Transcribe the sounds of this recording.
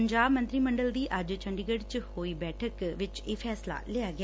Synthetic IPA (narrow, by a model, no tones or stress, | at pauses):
ɲd͡ʒaːbmənt̪ɾiːməɳɖəld̪iːʔɐd͡ʒt͡ʃʰəɳɖiɡəɖt͡ʃhoːiːbɛːʈʰəkʋɪt͡ʃeːfʰɛːsla̰ːleaːɡɪ